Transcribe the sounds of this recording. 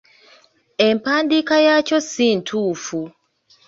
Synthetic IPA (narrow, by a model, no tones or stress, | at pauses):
empaːndikajacosintʰuːfu